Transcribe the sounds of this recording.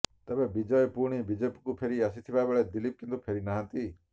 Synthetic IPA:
t̪ebebid͡ʒɔjɔpuɽ̃ibid͡ʒepi̥kupʰeɾiasit̪ʰibabeɭed̪ilip̚kint̪upʰeɾinaɦãnt̪i

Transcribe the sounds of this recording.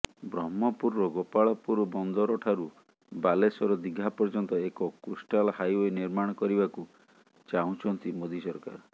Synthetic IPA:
bɾɔmɔpuɾːɔɡopaɭɔpuɾɔbɔnd̪ɔɾɔʈʰaɾu | balesɔɾɔd̪iɡʱapɔɾd͡ʒɔnt̪ɔekɔkusʈalhajoeniɾmaɽ̃ɔkɔɾibaku | t͡ʃaɦũt͡ʃʰɔnt̪imod̪isɔɾka̰ɾ

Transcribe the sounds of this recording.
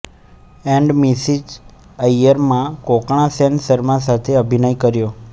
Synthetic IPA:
ɛ̃ɳɖmisid͡ʒ | aijəɾmãkokɳ̃ãsensəɾmãsat̪ʰeəbʱinəjkəɾjo

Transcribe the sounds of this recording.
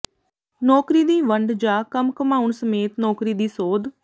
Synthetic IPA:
nɔːkɾiːd̪iːʋəɳɖd͡ʒaːkəmkəmaːuɳsəmeːt̪nɔːkɾiːd̪iːsoːd̪

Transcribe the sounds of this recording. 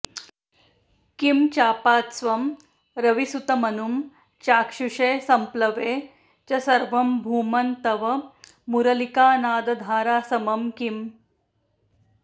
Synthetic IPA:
kimt͡ɕaːpaːt̪sʋɐm | ɾɐʋisut̪ɐmɐnum | t͡ɕaːkʂuʂeːsɐmplɐʋeː | t͡ʃɐsɐɾʋɐmbʱuːmɐnt̪ɐʋɐ | muɾɐlikaːnaːd̪ɐd̪ʱaːɾaːsɐmɐmkim

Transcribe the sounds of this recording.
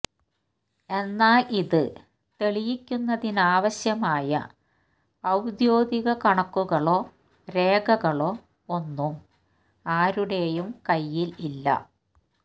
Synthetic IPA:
e̞nːaːliðɨ | t̪e̞ɭijikʲːunːɐðinaːʋɐɕjɐmaːjɐ̰ | ɐwd̪joːd̪iɣɐkɐɳɐkːuɣɐɭo̞ː | ɾe̞ːɡɐɣɐɭo̞ː | onːum | aːɾuɽe̞jumkɐjːililːɐ̰

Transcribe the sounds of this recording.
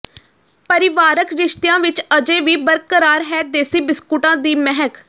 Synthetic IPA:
pəɾɪʋaːɾəkɾɪʃt̪ɪjãːʋɪt͡ʃəd͡ʒeːʋiːbəɾkəɾaːɾɦɛːd̪eːsiːbɪskuʈãːd̪iːmɛɦək

